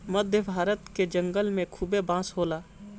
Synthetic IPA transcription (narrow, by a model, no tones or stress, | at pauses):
məd̪ʱjəbʱaːɾət̪ked͡ʒə̃ŋɡəlmẽkʰuːbebãːsɦoːlaː